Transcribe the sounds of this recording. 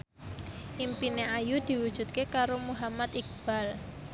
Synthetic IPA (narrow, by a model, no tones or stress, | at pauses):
ʔimpineʔajud̪̥i̤wud̥ʒ̥ṳt̪̚kekaɾomuɦamat̪ik̚b̥a̤l